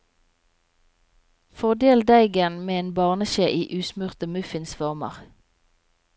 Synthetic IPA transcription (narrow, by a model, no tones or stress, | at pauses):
fɔʁd̪eːld̪æɪɡənmeːeːnbɑːʁnəʃeːʔiːʔʉːsmʉʁt̪əmʉfɪnsfɔʁmə̰ʁ